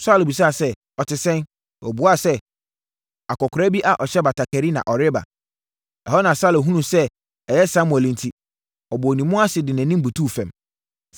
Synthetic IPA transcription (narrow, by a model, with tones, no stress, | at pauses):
sa˦lbi˨s̬aː˦˨sɛ˦ | ɔ˨tɪ˨sɛ̃˦n | ɔ̰˨bʊ˨˦a˦˨sɛ˦ | a˨kɔ˨kʰʊ˨ɾa˦bi˦ʔa˦ʔɔ˨ɕɛ˦ba˨tʰa˨kʰæ˨ɾi˦nã̰˨ʔɔ˨ɾɪ˦ba̰˨ | ɛ˨hɔ˦nã˨sa˦lɦũ˦nũ˨sɛ˦ | ɛ˨jɛ˦sã˦mwɛ˨l̃n̩˨tʰi˨ | ɔ˨bʊ˨ɔ˨nĩ˨˦mʊ̃˦a˦sɪ˨dɪ˨næ̃˨nĩ˦m˦bu˨tʰuː˦˨fɛ̃˨m